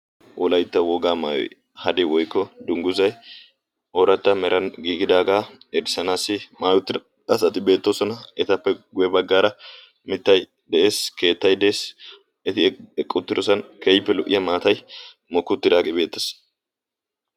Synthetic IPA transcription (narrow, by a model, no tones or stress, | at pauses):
wʔɔlɐjt̪ːɐwɔɡaːma̰ːjɔ̰j | hɐd̪ɛwɔjkːɔd̪ʊŋɡʊzɐj | ɔːɾɐt̪ːɐmɛɾʔɐnɡiːɡɪd̪aːɡaːɛd̪ɪsɐnaːsːɪmaːjʊt̪ːɪ | ɐsɐt̪ɪbe̞ːt̪ːoːsɔnɐɛt̪ɐpːɛɡʊjɛbɐɡːaːɾɐ | mɪt̪ːɐj | d̪ɛʔe̞ːske̞ːt̪ːɐjd̪ɛeːs | ɛt̪ɪɛɛkʼːʊt̪ːɪɾɔsɐnkejɪpːɛlʊʔɪjɐmaːt̪ɐj | mɔkːʊt̪ːɪd̪aːkʼɪbe̞ːt̪ːɐs